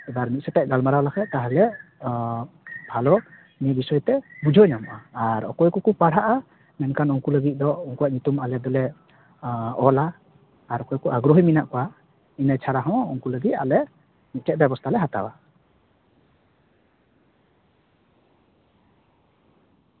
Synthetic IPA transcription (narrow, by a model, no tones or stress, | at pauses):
ɛbaɾmit̪̚sɛtaʔ̚ɡalmaɾawlakʰat̪aɦɛlɛ | bʱalɔ | niɛbisɔjɔt̪ɛbud͡ʒʱɔjnamʔaːaɾɔ̰kɔjkukupaɽ̤aʔa | mɛnkʰanuŋkuləɡit̪̚ˀd̪ɔuŋkuwaʔɲut̪umalɛd̪ɔlɛ | ɔlaː | ɾɔkɔjkuʔaɡɾɔɦijminaʔkɔwa | inajt͡ʃʰaɽaɦɔ̃uŋkuləɡit̪̚a̰lɛ | mit̪̚tʰɛʔ̚bɛbɔst̪ʰalɛɦat̪a̰wa